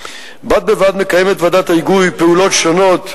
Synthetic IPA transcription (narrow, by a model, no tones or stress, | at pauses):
bad̪̚bevad̪mekajemet̪vad̪at̪aiɡujpeulo̞t̪ʃono̞t̪